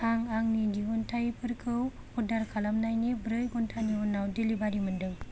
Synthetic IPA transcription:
aŋaŋnidiɔntʰajipʰɯɾkʰɯw | hudaɾkʰalamnajnibɾɯjɡɔntʰaniɔnawdelibaɾimɯndɯŋ

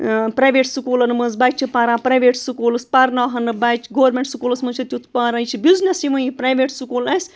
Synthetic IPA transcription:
pɾajʋeːʈsukulɐnɨmɐnzbajt͡ʃʰipaɾãːpɾajʋeːʈsukuːlɨspɐɾnaːɦɐnɨbɐjt͡ʃɡoːɐɾmʲeɳʈsukulɐsmɐnt͡ʃʰɐt̪ʲjut̪ʰpaːɾɐ̃jt͡ʃʰibʲuznʲɐsiʋɐjipɾajʋeːʈsukulɐsʲ

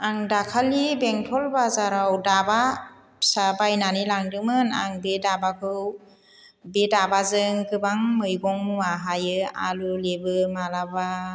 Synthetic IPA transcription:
aŋdakʰalibeŋtʰɔlbazaɾawdaba | sabajnanilaŋdɯmɯna̰ŋbedabakʰɯw | bedabazɯŋkɯbaŋmɯjɡɔŋmuaɦajɯa̰lulebɯmalaba

